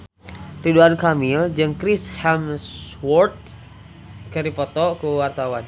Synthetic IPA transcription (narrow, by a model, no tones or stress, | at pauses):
riduankamild͡ʒɨŋkɾɪshɛmswɔrt̪̚ | kəɾipɔt̪ɔkəwart̪awan